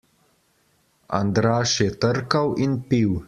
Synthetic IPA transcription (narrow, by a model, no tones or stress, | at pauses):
a̰nd̪ɾaːʃjɛt̪əɾkɐwinpiw